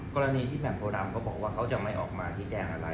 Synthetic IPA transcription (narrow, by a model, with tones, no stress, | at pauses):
kɔː˧ɾa˧niː˧t̪ʰiː˥˩mɛː˨˩nt̪ʰoː˧ɾa˧mkʰɔː˥˩bɔː˨˩k̚waː˥˩kʰa˦˥wt͡ɕa˨˩ma˥˩jʔɔ̰ː˨˩k̚maː˧t͡ɕʰiː˦˥t͡ɕɛː˧ŋʔa˧ɾa˧